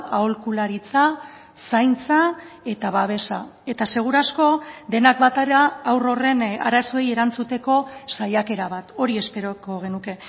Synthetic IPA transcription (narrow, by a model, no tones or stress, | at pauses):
aolkulaɾit͡sa | sajnt͡sa | e̞t̪aβaβ̞e̞sae̞t̪ase̞ɣ̞uɾasko̞d̪e̞nak̚bat̪aɾaːwro̞re̞na̰ɾaso̞eje̞ɾant͡sut̪e̞ko̞sajake̞ɾaβat̪o̞ɾie̞spe̞ɾoko̞ɣ̞e̞nuke̞